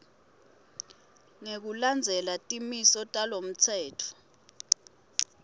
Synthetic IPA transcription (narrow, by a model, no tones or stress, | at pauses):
ŋek̬uland͡zʱɛlatʼimisɔtʼalom̩t͡sʰɛːtʰɔ̥